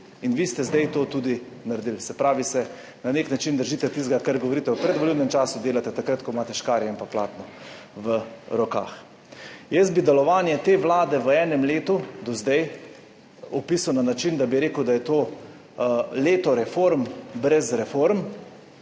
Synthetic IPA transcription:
inʋist̪ɛzd̪ɛjt̪oːt̪uːd̪i | naɾd̪ilsɛpɾaːʋisɛ | naneknat͡ʃind̪əɾʒiːt̪ɛt̪isɡakaɾɡɔʋɔɾiːt̪ɛwpɾɛd̪ʋoɔliwnɛmt͡ʃaːsud̪eːlat̪ɛt̪akɾɐt̪kɔmaːt̪ɛʃkaːɾjɛimpapla̰ːt̪nɔ | ʋəɾɔka̰ːx | jɛs̚bid̪ɛlɔʋaːnjɛt̪eʋlaːd̪ɛʋəɛːnɛmleːt̪ud̪ɔzd̪ɛj | ɔpiːsawnanat͡ʃind̪abiɾeːkəwd̪ajɛt̪oː | leːt̪ɔɾɛfoɾmbɾɛzɾɛfoɾm

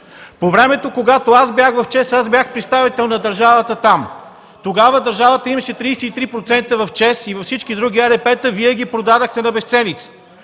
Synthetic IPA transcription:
povɾɛmɛt̪okoɡat̪oazbjaxɣvɐft͡ʃɛsazbjaxpɾɛt̪st̪avit̪ɛlˠnɐd̪əɾʒavət̪ət̪am | t̪oɡavəd̪əɾʒavət̪əimɐʃɛt̪ɾijsɛit̪ɾipɾot̪sɛnt̪əvɐft͡ʃɛsivɐfsit͡ʃkid̪ɾuɡ̟ʲiaɾɛpɛt̪əviɛɡʲipɾod̪ad̪əxt̪ɛnɐbɛst̪sɛnit̪sə̥

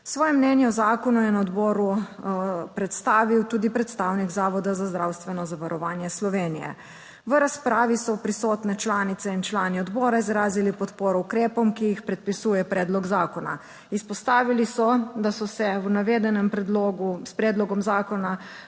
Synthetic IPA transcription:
sʋɔːjɛmːnɛnjɛɔzaːkɔnujɛnaɔd̪bɔːɾu | pɾɛt̪st̪aːʋiwt̪uːd̪ipɾɛt̪st̪aːwniɡzaːʋɔd̪azazd̪ɾaːwst̪ʋɛnɔzaʋaɾɔʋaːnjɛslɔʋeːnijɛ̰ | ʋəɾaspɾaːʋisɔpɾisɔːt̪nɛt͡ʃlaːnit̪sɛint͡ʃlaːniɔd̪bɔːɾaizɾaːzilipɔt̪poːɾɔukɾeːpɔmkijixpɾɛt̪̚pisuːjɛpɾʔɛːd̪lɔɡzaːkɔna̰ | ispɔst̪aːʋilisɔd̪asɔsɛnaʋeːd̪ɛnɛmpɾɛd̪loɡuspɾɛːd̪lɔɡɔmzaːkɔna

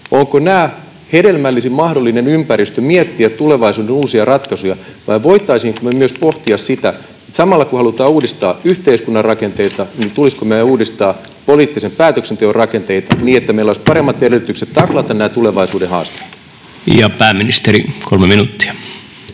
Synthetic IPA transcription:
oŋkonæː | hedelmælːisimmɑhdolːinenympæɾist̪ømiet̪ːiæt̪t̪uleʋɑisuːdenuːsiɑrɑt̪kɑsujɑʋɑiʋʋoit̪ːˑɑisiːŋkomemyøspoht̪iɑssit̪æ | et̪sɑmɑlːɑkuhɑlut̪ɑːuːdist̪ɑːyht̪eiskunːɑrɑkent̪eit̪ɑnit̪uliskomeæuːdist̪ɑː | poliːt̪ːisempæːt̪øksent̪eorrɑkent̪eit̪ɑniːet̪ːæmeilːoispɑɾemːɑt̪eɾelyt̪ykset̪t̪ːɑklɑt̪ɑnnæːt̪uleʋɑisuːdehɑ̰ːst̪e̥it̪ | jɑpæːmːinist̪eɾikolmeminut̪ːi̥æ

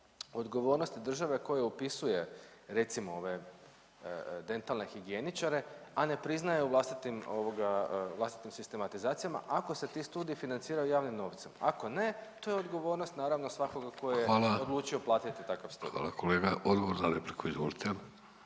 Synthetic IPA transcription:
o̞d̪ɡo̞ʋo̞ːɾno̞st̪id̪r̩ʒaʋe̞ko̞jeupisuje̞ɾe̞t̪simoo̞ʋe̞ | d̪e̞nt̪alˠne̞xiɡienit͡ʃaɾe̞ane̞pɾiznajeuʋlast̪it̪imo̞ʋoɡavlast̪i̥t̪imsist̪e̞mat̪izaːt̪sijama̰ʔako̞se̞t̪ist̪uːd̪ijifinant̪siːɾajujaːʋnimno̞ʋt̪sema̰ko̞ne̞t̪oːjeo̞d̪ɡo̞ʋo̞ːɾnost̪naːɾaʋnosʋako̞ɡako̞jejeaːlao̞d̪lˠuːt͡ʃio̞plˠaːt̪it̪ːit̪akaʋst̪ṵda̰ːlakʰoleːɡaʔod̪ɡoʋoɾnaɾeplikʰoizʋo̰lit̪ʰemʲ

